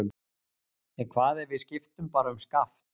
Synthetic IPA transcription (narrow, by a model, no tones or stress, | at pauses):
ʏm | ɛnkʰvaːðɛɾvɪðscɪft̪ʏmpaːɾaʏmskaft̪